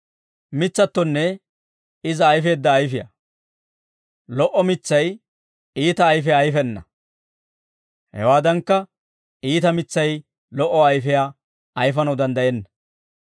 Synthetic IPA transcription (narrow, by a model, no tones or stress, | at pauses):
mɪt͡sːɐt̪ːɔnːɛ | ɪzɐːjfe̞ːd̪ːɐːjfɪjɐ̰ | lɔʔːɔmɪt͡sːɐj | iːt̪ɐːjfɛːjfɛnːɐ̰ | hɛ̰waːd̪ɐŋkːɐ | iːt̪ɐmɪt͡sːɐj | lɔʔɔɐjfɛjaː | ɐjfɐnɐwd̪ɐnd̪ɐjɛnːɐ